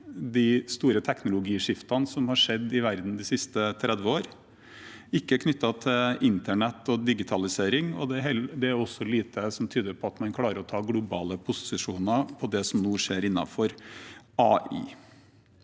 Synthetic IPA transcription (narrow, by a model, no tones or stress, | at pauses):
d̪ɪst̪uːɾət̪ʰɛknʊlʊɡiːʂɪft̪ɑnsɔmhɑʂɛd̪ːɪʋæɾd̪n̩d̪ɪsɪst̪ət̪ʰɾɛd̪ʋəoːɾ | ɪkːəækʰnʏt̪ːɑt̪ʰɪlɪnt̪əɳɛt̪ːɔd̪ɪɡɪt̪ʰɑlɪseːɾɪŋɔ̰d̪ɛɦɛd̪ɛæɾɔsːɔliːt̪ʰəsɔmt̪ʰyːd̪əɾpʰɔɑt̪mɑnkʰlɑːɾəɾɔt̪ʰɑːɡlʊbɑ̰ːləpʰʊsɪʂuːnɑpʰɔd̪ɛsɔmnuːʂeːɾɪnːɑ̰fɔɾɑːḭː